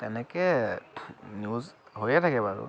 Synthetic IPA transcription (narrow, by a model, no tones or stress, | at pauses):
t̪ɛnɛkɛ | njuzɦojɛtʰakɛbaɹṵ